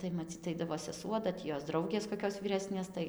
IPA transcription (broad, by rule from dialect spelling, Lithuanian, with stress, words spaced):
tɐɪ mɐˈt͡sʲiːt ˈɐɪdɐʋoː sʲɛˈsuɔ dɐ ˈtʲiː ˈjoːs ˈdrɐʊɡʲeːs koːˈkʲoːs ʋʲiːˈrʲæːsʲnʲeːs ˈtɐɪ